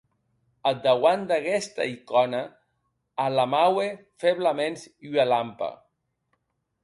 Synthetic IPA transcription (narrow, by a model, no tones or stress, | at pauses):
ad̪awand̪aɣɛst̪a̰ikɔnaː | lamawe | feβlamensyalampa̰